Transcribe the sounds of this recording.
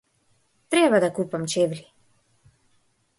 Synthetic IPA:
t̪ɾɛbad̪akupamt͡ʃɛvli

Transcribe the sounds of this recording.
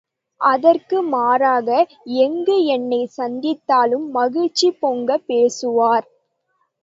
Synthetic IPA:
ʔɐðɐrkɯmaːɾaːɣɐ | ɛŋɡɯɛnːɐɪsɐnd̪ɪt̪ːaːlɯmːɐɣɪɻt͡ʃːipːoŋɡɐpːeːsɯʋaːɾ

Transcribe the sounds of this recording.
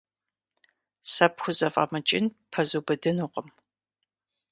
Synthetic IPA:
sɐpxʷʊzɐfʼɐ̰mɐt͡ʃʼɪnpʰɐzubɐdɨnuqʼəm

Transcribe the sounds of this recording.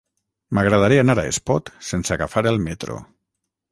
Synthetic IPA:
maɣɾað̞aɾianaɾaḛspɔt̪senseaɣafaɾelˠmet̪ɾo̰

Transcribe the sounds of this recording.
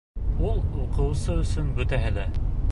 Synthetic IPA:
ulˠuqɤ̆wsɤɵ̆sɵnbɵ̆t̪æɦælæ

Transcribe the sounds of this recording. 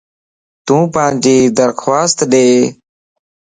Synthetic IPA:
t̪ũːpãːnd͡ʒiːd̪əɾxʰwaːst̪ɗeː

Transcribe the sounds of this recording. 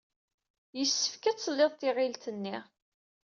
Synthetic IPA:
jəsːə̥fkæt͡sːlːɪðˤt̪ɪʁɪlt̪ənːi

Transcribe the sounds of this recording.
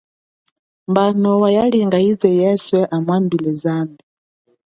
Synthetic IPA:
mbanɔwajaliŋɡaizɛjɛswɛʔamwambilɛzambi

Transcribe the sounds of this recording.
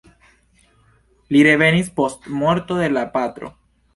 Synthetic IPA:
liɾe̞ve̞nispo̞stmo̞ɾto̞de̞lapat̪ɾo̞̰

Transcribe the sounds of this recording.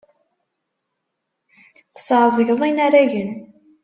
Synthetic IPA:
θə̥sʕzˤəʝðˤinaɾæʝən

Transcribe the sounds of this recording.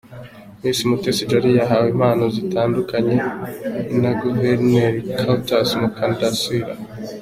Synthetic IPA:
mĩːsimutesid͡ʒaɾijaɦawim̥aːnozitʰaːndukaɲe̞ | naɡuveɾneɾikʰautasmukandasiɾa̰

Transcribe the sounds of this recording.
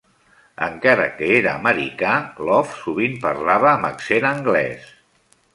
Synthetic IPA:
ə̰ŋkaɾə̰kəeɾəːməɾikalɔfsuβimpəɾlaβ̞əːmə̰ksenəŋɡlɛ̰s

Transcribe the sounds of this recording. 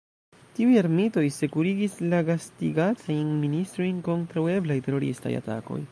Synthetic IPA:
tiujaɾmito̞jse̞kuɾiɡislaɡastiɡat͡sajnministɾo̞jnko̞ntɾawe̞blajte̞ɾo̞ɾḭsta̰ja̰ta̰ko̞̰j

